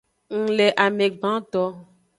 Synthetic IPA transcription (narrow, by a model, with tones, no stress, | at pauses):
ŋ̩˨le˨ʔa˨me˨ɡ͡bã˦t̪ɔ˦